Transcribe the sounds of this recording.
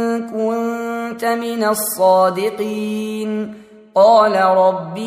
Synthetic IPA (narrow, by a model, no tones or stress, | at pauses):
kʊnnnt̪amɪnasˤːɑːd̪ɪqiːn | qɑːlaɾˤɑbː